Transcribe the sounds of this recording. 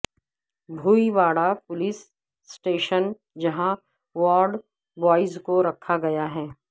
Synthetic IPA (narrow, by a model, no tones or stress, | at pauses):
bʱuːiʋaːɽapʊlɪsː | ʈeːʃən | d͡ʒɐɦã | ʋɔːɾɖ | bɔːɪzkoɾɐkʰːaɡɐjaɦɛː